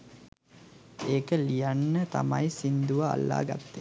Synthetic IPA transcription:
eːkəlijanːət̪a̰majsind̪uʋəa̰lːa̰ːɡa̰t̪ːe

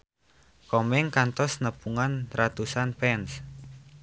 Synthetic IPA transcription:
kɔmɪŋkant̪ɔsnəpuŋanrat̪usanpɛns

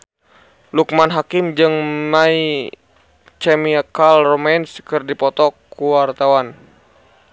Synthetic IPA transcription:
luk̚manɦakimd͡ʒɨŋmai | t͡ʃɛmiakalrɔmɛnskɨrdipɔt̪ɔkuwart̪awan

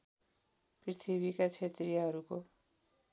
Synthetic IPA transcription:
prit̪ʰiβikat͡sʰet̪riɦʌɾuko

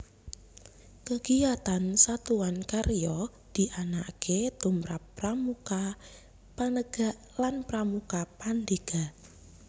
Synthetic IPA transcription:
kəɡ̥iat̪ansat̪uwankaɾjɔ | d̪̥i̤ʔanakʰet̪umɾa̰pːramuka | panəɡ̥a̤ʔ | lanpɾamukapand̪eɡ̥a

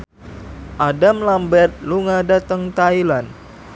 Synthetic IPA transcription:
ʔadamlambɛrt̪̚luŋadat̪əŋt̪ailan

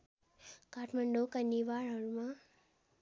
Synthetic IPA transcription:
kaːʈʰməɳɖokənːiʋaɭaɻuma

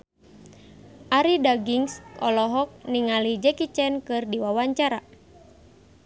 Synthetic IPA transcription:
ʔaɾidaɡiŋsɔ̰lɔɦɔk̚niŋalid͡ʒɛkit͡ʃɛnkɨrdiwawaɲt͡ʃaɾa

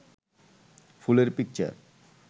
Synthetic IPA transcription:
fuleɾpik̚t͡ɕa̰ɾ

